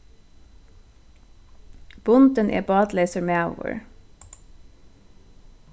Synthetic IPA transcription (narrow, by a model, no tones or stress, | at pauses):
b̥ʊnd̪ənʔḛːbɑːd̪leɪːsəɹmeːo̰ːʋə̰ɹ